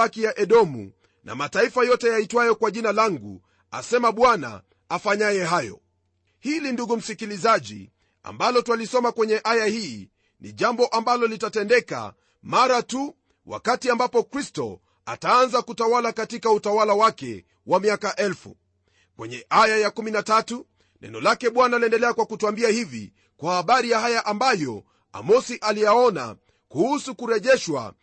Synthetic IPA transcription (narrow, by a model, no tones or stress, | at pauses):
akijaʔɛɗɔmṵ | nʔa̰mataifajɔtɛjaitwajɔkwaʄinalaŋɡṵ | a̰sɛmaɓwana̰ | afaɲajɛɦajɔ̰ | hilinduɡum̩sikilizaʄḭ | a̰mbalɔtwalisɔmakwɛɲɛʔajahiː | nḭʄambɔʔambalɔlitatɛndɛka̰ | maɾatu | wa̰katiambapɔkɾistɔ̰ | a̰taanzakutawalakatikautawalawakɛ̰ | wamiakaʔɛlfṵ | kwɛɲɛʔajajakuminatatu | nʔɛ̰nɔlakɛɓwanaaliɛndɛlɛakwakutuambiahivḭ | kwahaɓaɾijahajaʔambajɔ | a̰mɔsiʔalijaɔna̰ | kuhusukuɾɛʄɛʃwa̰